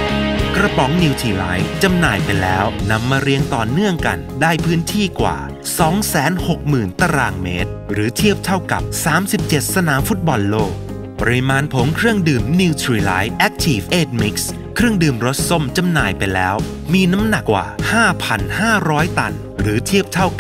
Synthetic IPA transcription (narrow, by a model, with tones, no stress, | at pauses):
kɾa˧pɔ˩˦ŋni˧wt̪ʰiː˧˩laː˦˥jt͡ɕa˧mnaː˨˩jpa˧jlɛ̰ː˦˥wna˧mːaː˧ɾi˧˥əŋt̪ɔː˨˩nɯ˥˩əŋka˧ndaː˥˩jpʰɯː˦˥nt̪ʰiː˥˩kwa̰ː˨˩ | sɔː˩˦ŋsɛː˩˦nho˨˩k̚mɯː˨˩nt̪a˧ɾaː˧˩ŋmḛː˦˥t̪̚ɾɯː˩˦t̪ʰi˥˩əp̚t̪ʰa˥˩wka̰˨˩p̚saː˨˩˦msi˨˩p̚t͡ɕe˨˩t̪̚sa˧naː˨˦mfu˦˥t̪̚bɔ˧lloː˥˩k̚ | pɔ˧ɾi˧maː˧npʰo˩˦ŋkʰɾɯ˥˩əŋdɯː˨˩mni˧wt̪ʰɾiː˧la̰˦˥j̚ʔɛ˦˥k̚t̪ʰiː˧˩fʔeː˥˩t̪̚mi˦˥k̚s | kʰɾɯ˥˩əŋdɯː˨˩mɾo˦˥t̪̚so˥˩mt͡ɕa˧mnaː˨˩jpa˧jlɛ̰ː˦˥w | miː˧na˦˥mna˨˩kːwa̰ː˨˩haː˥˩pʰa˧nhaː˥˩ɾɔː˦˥jt̪a˧n | ɾɯː˩˦t̪ʰi˥˩əp̚t̪ʰa˥˩w